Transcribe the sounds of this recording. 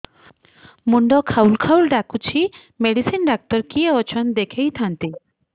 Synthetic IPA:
muɳɖɔkʰaulkʰawlɖakut͡ʃʰi | meɽisinɖak̚t̪ɔɾkiɔt͡ʃʰɔnd̪ekʰejt̪ʰant̪i

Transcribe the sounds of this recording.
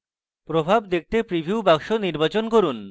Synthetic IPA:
pɾobʱabd̪ek̚ʰt̪epɾibʱiubaŋʃoniɾbat͡ɕonkoɾun

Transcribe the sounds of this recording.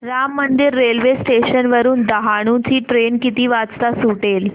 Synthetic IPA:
ɾamːənd̪iɾːelʋesʈeɕənʋəɾuːnd̪əɦaɽ̃ũt͡ɕiːʈɾenkit̪iːʋat͡st̪asuʈel

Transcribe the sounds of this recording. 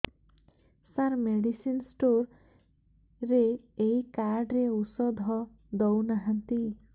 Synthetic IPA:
saɾmeɖisinsʈoɾ | ɾeeikaɾɖɾeusɔd̪ʱɔ | d̪ɔwnaɦant̪i

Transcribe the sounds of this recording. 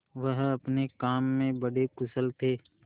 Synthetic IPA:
ʋəɦɐpnekaːmːẽbɐɽekʊsəlt̪ʰeː

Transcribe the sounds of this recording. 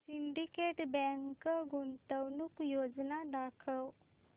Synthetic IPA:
siɳɖikeʈbɛ̃ŋkəɡunt̪əwnukjod͡znaɖakʰəw

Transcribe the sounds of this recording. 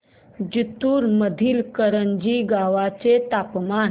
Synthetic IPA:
d͡ʑit̪uːɾməd̪ʱiːlkəɾəɲd͡ʑiɡaʋat͡set̪apman

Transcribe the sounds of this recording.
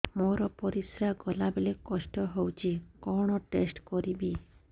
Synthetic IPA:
moɾɔpɔɾisɾaɡɔlabelekɔsʈɔɦowt͡ʃʰikɔɽ̃ɔʈesʈkɔɾibi

